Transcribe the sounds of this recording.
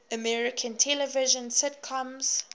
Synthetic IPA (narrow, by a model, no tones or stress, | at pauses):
əmɛɹɪkʰə̃ntʰɛləvɪʒə̃nsɪdkʰãmz̥